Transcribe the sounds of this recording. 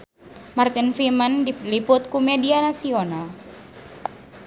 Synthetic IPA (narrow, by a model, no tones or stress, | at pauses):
mart̪infimanlipʊt̪̚kumedianasional